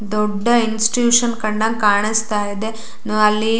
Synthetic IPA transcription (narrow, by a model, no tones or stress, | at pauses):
d̪oɖːɐinsʈjuːʂɐnkɐɳɖɐnkaːɳist̪aːjid̪e | nɐlːi